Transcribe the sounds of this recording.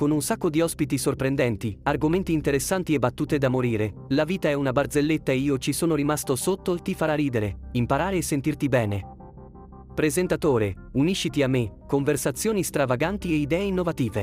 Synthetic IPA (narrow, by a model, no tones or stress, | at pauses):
konunsakːod̪iɔspit̪isorpɾend̪ɛnt̪iarɡoment̪iːnt̪eɾesːant̪iebat̪ːuːt̪ed̪amoɾiːɾelaviːt̪aɛunabard̪zelːet̪ːaeiːot͡ʃisoːnoɾimast̪osot̪ːot̪ifaɾaɾiːd̪eɾeimpaɾaːɾeːsːent̪irt̪ibɛːne | pɾezent̪at̪oːɾe | uniʃːit̪iamːekoɱversat̪sːjoːnist̪ɾavaɡant̪ieid̪ɛːeinːovat̪iːve